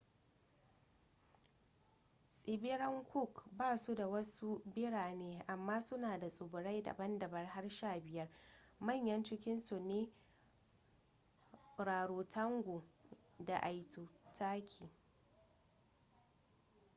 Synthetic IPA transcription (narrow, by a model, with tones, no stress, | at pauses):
sʼɪ˨bɪ˦ɾɐ˦ŋkʷʊ˦˨kbaː˦˨su˦da˨wɐ˦su˦bɪ˦ɽaː˨neː˦ʔa˨mːaː˦sʊ˦naː˨da˨sʼʊ˨bʊ˨ɽa˦jda̰˨bɐ˦ndɐ˨bɐ˦rɦa˦rʃaː˦˨bɪ˨jɐ˦rmɐ˦˨ɲjɐ˦nt͡ʃɪ˦kʲɪ˦nsu˨neː˦ | ɾaː˨ɽoː˨tʰɐ˦ŋɡʷoː˨ | da˨ʔa˨jtuː˨tʰaː˦kʲʰiː˨